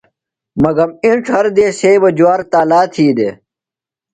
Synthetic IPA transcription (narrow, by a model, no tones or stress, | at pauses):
mɐɡɐmĩʈ͡ʂʰhɐɾd̪eːseːbɐd͡ʑuwaːɾt̪aːlaːt̪ʰiːd̪eː